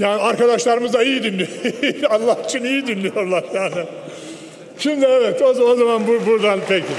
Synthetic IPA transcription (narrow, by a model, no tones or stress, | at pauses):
jaːniaɾkad̪aʃlˠaɾɯmɯzaijid̪inlʲialˠːahit͡ʃʰinijid̪inlʲijo̞ɾlˠaɾjaːnɪ | t͡ʃʰimd̪ɛɛvɛt̪ozo̞zamanbubuɾd̪anpʰecʰɪ